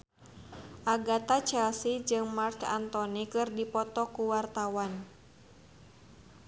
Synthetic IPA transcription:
ʔaɡat̪at͡ʃɛlsid͡ʒɨŋmarka̰nt̪ɔnikɨrdipɔt̪ɔkuwart̪awan

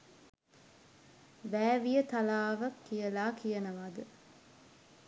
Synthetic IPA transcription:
ʋæːʋijət̪alaːʋakːijəlaːkijənəʋad̪ə

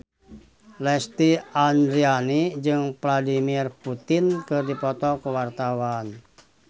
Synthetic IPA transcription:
lɛst̪iandɾianid͡ʒɨŋpladimirput̪inkɨrdipɔt̪ɔkəwart̪awan

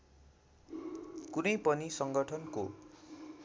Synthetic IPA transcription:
kunʌjpʌnisʌŋɡʌʈʰʌnko

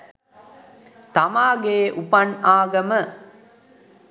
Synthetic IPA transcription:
t̪amaːɡeːʔupɐnaːɡɐmə

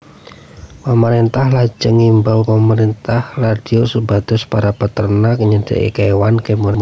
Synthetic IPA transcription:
pəməɾint̪ahlad͡ʒəŋimbalpəməɾint̪ahrad̥iosəbad̪̥ʊspaɾapət̪ərnakəɲədə̰ʔḭkawankemu

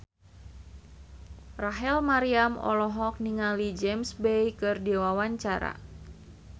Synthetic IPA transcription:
raɦɛlmaɾiamɔ̰lɔɦɔk̚niŋalid͡ʒɛmsbejkɨrdiwawaɲt͡ʃaɾa̰

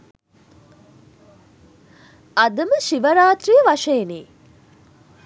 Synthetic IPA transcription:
ad̪əməʃiʋəɾaːt̪rijəʋaʂejniː

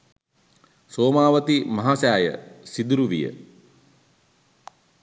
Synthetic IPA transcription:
soːmaːʋət̪imɐɦaːsaːjə̰sid̪uɾuʋijə̰

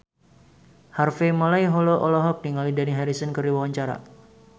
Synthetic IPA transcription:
harfemolajɦɔloʔɔlɔɦɔk̚diŋalidaniɦaɾisənkəriwawaɲt͡ʃaɾa̰

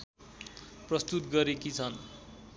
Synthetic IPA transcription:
prʌst̪ut̪ɡʌɾekit͡sʰʌn

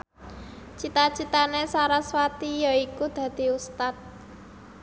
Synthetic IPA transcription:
t͡ʃit̪at͡ʃit̪anesaɾaswat̪ijaikud̪̥ä̤d̪̥i̤ust̪at̪̚

